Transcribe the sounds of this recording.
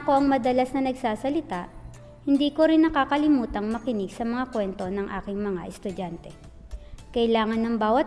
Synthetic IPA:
ko̞ʔɐŋmɐd̪ɐlasnɐnɐɡsaːsɐlɪt̪aʔ | hɪnd̪iːko̞ɾɪnːɐkaːkɐlɪmuːt̪ɐŋmɐkɪnɪɡsɐmɐŋakwɛnt̪o̞nɐŋʔa̰ːkɪŋmɐŋaʔɛst̪ʊd͡ʒant̪ɛ | kɐʔɪlaːŋɐnːɐŋbaːwɐt̪

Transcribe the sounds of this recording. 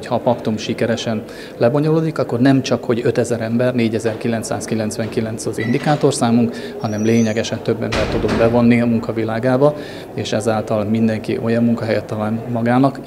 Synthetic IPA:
chɒːpɒkt̪umʃikɛɾɛʃɛn | lɛbo̞ɲo̞loːd̪ikɒkːo̞rnɛmt͡ʃɒkho̞ɟøt̪ɛzɛɾɛmbɛrneːɟɛzɛrkilɛnt̪sa̰ːskilɛnt̪sʋɛŋkilɛnt̪sɒzḭnd̪ikaːt̪o̞rsaːmuŋk | hɒnɛmleːɲɛɡɛʃɛnt̪ø̞bːɛmbɛrt̪ud̪ombɛvo̞nːiɒmuŋkɒvilaːɡaːbɒ | eːʃɛzaːlt̪ɒlmind̪ɛŋkḭʔo̞jɒmːuŋkɒɦɛjɛt̪ːɒlaːnmɒɡaːnɒk

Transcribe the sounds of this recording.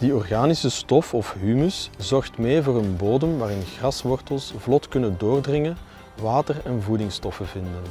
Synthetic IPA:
d̥iɔrɣaːnisəstɔfɔfɦymyszɔrxtmeːvoːɾənboːdəmʋaːɾɪnɣrɑsʋɔrtəlˠsvlɔtkɵnəndoːrdrɪŋən | ʋaːtərɛnvudɪŋstɔfəvɪndən

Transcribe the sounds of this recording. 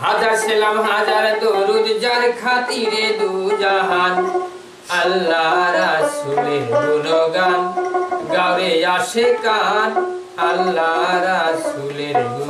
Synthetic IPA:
ɦad͡ʒaɾselamɦad͡ʒaɾd̪oɾud̪d͡ʒaɾkʰat̪iɾed̪ud͡ʒaɦan | ɐlːaɾasuleɾɦunɔɡanɡaʋejaʃekan | ɐlːaɾasuleɾu

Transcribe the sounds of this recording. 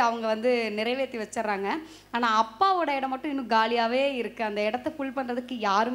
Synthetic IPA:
ɐʋɐŋɡɐʋɐnd̪ɯnɪɾɐɪʋeːt̪ːiʋɐt͡ʃːɐɾɾaːŋɡɐ | aːnaːɐpːaːʋoːɽɐɪɽɐmːɐʈːʊ̃ɪnːɯ̃ɡaːlɪjaːʋeːɪɾɯkːɯɐnd̪ɐɪɽɐt̪ːɛfʊɭpɐɳrɐðɯkːɯjaːɾɯm

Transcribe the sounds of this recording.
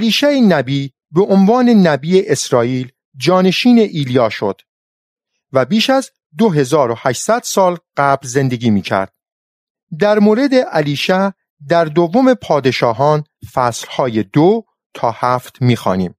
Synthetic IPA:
ʔæliːʃæenæbiː | beʔonvɒːne̞næbiːeʔesɾɒːiːl | d͡ʒɒːne̞ʃiːne̞ʔiːlijɒːʃo̞d̪̥ | væbiːʃæz | d̪oɦe̞zɒːɾo̞hæʃsæd̪̥sɒːlɢ̥æblze̞nd̪e̞ɡiːmiːcʰæ̰ɾd̪̥̚ | d̪æɾmoːɾe̞d̪e̞ʔæliːʃæ | d̪æɾd̪ovːome̞pʰɒːd̪e̞ʃɒːɦɒːnfæːslhɒːjed̪o | t̪ʰɒːhæːft̪miːxɒ̰ːnḭːm

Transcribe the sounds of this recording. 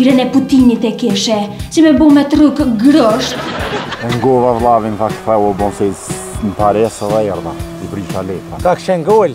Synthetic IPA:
ɾɛnɛput̪init̪ɛkɛʃɛsɛmɛbɔmɛt̪rukɡɾɔʃt̪ɛŋɡɔvavlˠavinfak̪fɛwɔbɔ̃nsɛz | np̪aɾɛsɛðɛɛɾðasibɾiʃalɛfakakʃɛŋɡɔl

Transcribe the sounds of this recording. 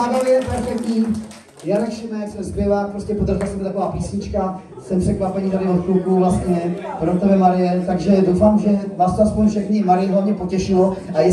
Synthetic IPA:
adojɛpɛɾfɛkt̪ɲiː | jaːnɛxʃɪnɛsɛmzbjɪvapɾoscɛpod̪aʒɪlasɛmb̪ɪt̪akovaːpiːsɲɪt͡ʃka | sɛmpr̥ɛkvapɛɲiːt̪adɪot̪klukuvlast̪ɲɛpɾot̪ovjɛmaɾɪjɛt̪aɡʒɛdowfaːmʒɛvaːst̪oaspoɲfʃɛxɲɪmaɾɪjɛɦlavɲɛpo̞cɛʃɪlo | ʔajɛ

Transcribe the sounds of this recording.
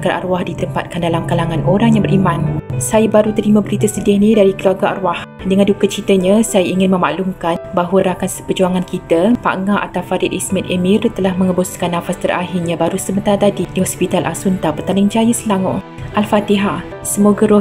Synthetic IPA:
ɡaʔa̰ɾwahdit̪əmpa̰t̪̚kandalamkalaŋãnʔoɾaŋjaŋbəɾʔimansajəbaɾut̪əɾimãbəɾit̪əsədiəhnidaɾikəluarɡaa̰rwah | dəŋãndukət͡ʃit̪əɲãsajəiŋɪnmə̃ma̰ʔlumkanbaɦwəɾakansə̥pərd͡ʒuaŋãnkit̪əpa̰ʔŋaʔa̰t̪awfaɾɪt̪ismɛt̪emĩrt̪əlahmə̃ŋəbɔskanːãfast̪ərʔa̰ɦirɲãbaɾusəmənt̪aɾat̪adidiɦɔspit̪alʔa̰sunt̪apərt̪anɪŋd͡ʒajəsəlaŋɔ̰ʔ | ʔalfat̪iɦa | səmoɡəɾɔ

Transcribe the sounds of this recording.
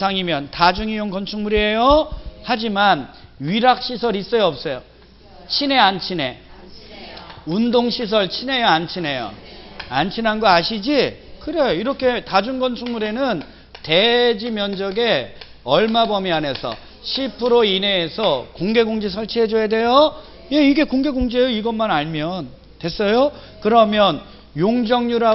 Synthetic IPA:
sʰaŋimjʌntad͡ʑuŋijoŋkʌnt͡ɕʰuŋmuɾiejʌhad͡ʑimanɥiɾak̚ɕ͈isʰʌɾis͈ʌjʌʌp̚s͈ʌjo | t͡ɕʰine̞ant͡ɕʰine̞ | undoŋɕʰis̬ʰʌɭt͡ɕʰine̞jʌant͡ɕʰine̞jo̰ant͡ɕʰinanɡʌaɕʰid͡ʑi | kɯɾe̞joiɾʌkʰe̞tad͡ʑunɡʌnsʰuŋmuɾe̞nɯn | te̞d͡ʑimjʌnd͡ʑʌɡe̞ | ʌɭmabʌmiane̞sʰʌ̰ | ɕʰipʰɯɾoine̞ːsʰʌkoŋɡe̞ɡoŋd͡ʑis̬ʰʌɭt͡ɕʰiɦed͡ʑojedwe̞jʌ | je̞iɡe̞koŋɡe̞ɡoŋd͡ʑejoiɡʌmːanaɭmjʌn | twe̞s͈ʌjo | kɯɾʌmjʌn | joŋd͡ʑʌŋɲuɾa

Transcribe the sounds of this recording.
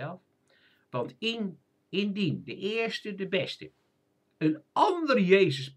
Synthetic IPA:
ɛlˠf | ʋɑntn | ɪndindəʔɪəɹstədəbɛstə | ənɑndərjeːzəs

